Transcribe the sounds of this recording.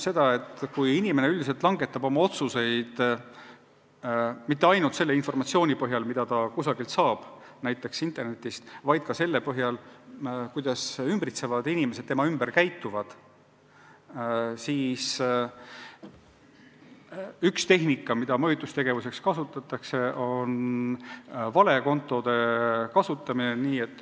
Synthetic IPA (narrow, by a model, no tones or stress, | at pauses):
se̞d̪̥ɑe̞t̪ːˑkujinimene̞yld̪iselt̪ːˑlɑŋɡe̞t̪ːˑɑbo̞mɑo̞t̪suse̞jd̪̥ | mit̪ːe̞ɑjnult̪se̞lːe̞info̞rmɑt̪sio̞ːnʲipɤɦjɑlmid̪̥ɑt̪ɑkusɑɡilt̪sɑːb̥næjt̪ːˑe̞ksint̪ːˑe̞rne̞t̪ːˑist̪vɑjd̪̥̚kɑse̞lːepɤɦjɑl | kujd̪ɑsymbrit̪se̞vɑd̪̥inime̞s̬e̥t̪ːe̞mɑymberkæjt̪ːˑuvɑd̪̥ | siːs | ykst̪e̞ɦnikːˑɑmid̪ɑmɤjut̪ːust̪e̞ɡ̥e̞vuse̞kskɑsut̪ːˑɑt̪ːˑɑkse̞ʔo̞n | vɑle̞ko̞nt̪ˑːo̞d̪̥e̞kɑsut̪ːˑɑmineniːe̞t̪ːˑ